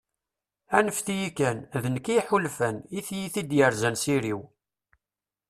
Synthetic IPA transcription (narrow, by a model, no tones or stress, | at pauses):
ænəfθijikænðənəkiħulfæniθjiθid̪jəɾzænsiɾiw